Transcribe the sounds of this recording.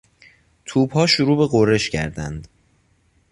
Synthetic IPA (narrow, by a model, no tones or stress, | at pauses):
t̪ʰuːbhɒːʃoɾuːbe̞ɣore̞ʃcʰæ̰ɾd̪æ̰nd̪